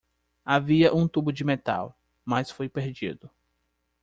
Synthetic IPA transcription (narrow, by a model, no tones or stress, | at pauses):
aviɐʔũt̪ubʊd͡ʒɪmet̪a̰w | mɐsfojpeɾd͡ʒḭd̪ʊ